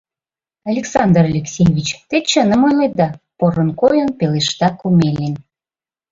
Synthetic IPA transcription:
ɑlʲeksɑnd̪ərlʲeksʲejβʲit͡ɕt̪et͡ɕənəmojlej̪̚d̪ɑpoɾənkojənpeleʃt̪ɑkumelʲenʲ

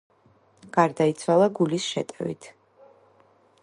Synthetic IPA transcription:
ɡ̥aɾd̪ait̪sʰwalˠaɡulisʃɛ̰t̪ʼɛvḭt̪ʰ

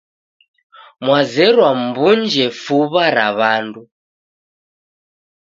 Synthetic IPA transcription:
mwazɛɾwam̩bund͡ʒɛfuβaɾa̰βaːndu

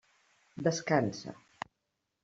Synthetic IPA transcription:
d̪əskansə̰

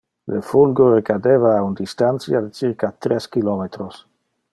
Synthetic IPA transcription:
lefulɡorekad̪evaːund̪ist̪ant̪sjad̪et͡siɾkat̪ɾeskilɔmet̪ɾos

